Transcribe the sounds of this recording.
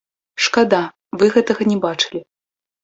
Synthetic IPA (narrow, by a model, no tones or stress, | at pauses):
ʂkad̪a | vɨɣɛt̪ɐɣɐnʲɛbat͡ʂɨ̥lʲi